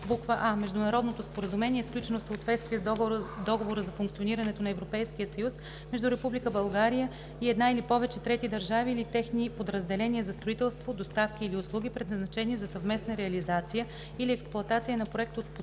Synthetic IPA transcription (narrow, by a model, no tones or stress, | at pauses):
bukvəʔamɛʒd̪ʊnɐɾɔd̪not̪ospoɾəzumɛniɛsklʲut͡ʃɛnofsəot̪vɛt̪st̪viɛd̪ɔɡovoɾəzɐfuŋkt̪sioniɾɐnɛt̪onɐɛvɾopɛjsk̟ijəsɐjus | mɛʒd̪uɾɛpublikəbɐlˠɡaɾijə | iɛd̪nailipɔvɛt͡ʃɛt̪ɾɛt̪id̪ɐɾʒaviːlit̪ɛxnipod̪ɾəzd̪ɛlɛnʲiɛzɐst̪ɾoit̪ɛlˠst̪vod̪ost̪afk̟iːliʊslˠuɡ̟ʲipɾɛd̪nɐznɐt͡ʃɛnizɐsɐvmɛsnəɾɛɐlizat̪sijə | iliɛksplˠʊɐt̪at̪sijənɐpɾoɛk̚t̪ot̪̚p